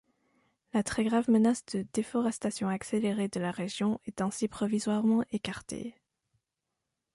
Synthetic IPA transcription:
lat̪χɛɡʁavmənasd̪əd̪efɔʁɛst̪asjɔ̃akseleʁed̪əlaʁeʒjɔ̃ɛt̪ɛ̃sipχɔvizwaʁmɑ̃ʔekaʁt̪ḛ

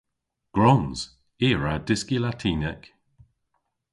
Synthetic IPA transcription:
ɡ̥ɹɔnz̥ | iːɹadɪskilatʰiːnɛk

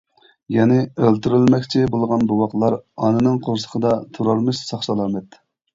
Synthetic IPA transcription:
jɛnɪølt̪yɾɪlmɛkʲt͡ʃʰibolˠʁɑnbuwɑqlˠɑɾɑ̰nɨnɨŋqʰoɾsə̥qʰəd̪ɑt̪ʰuɾɑɾmɨʃsɑχʃɑlˠɑmɛt̪

